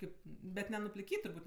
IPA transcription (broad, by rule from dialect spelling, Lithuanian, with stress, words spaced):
ˈkɐɪp ˈbʲɛt nʲɛnʊpʲlʲɪˈkʲiːtʲ tʊrˈbuːtʲ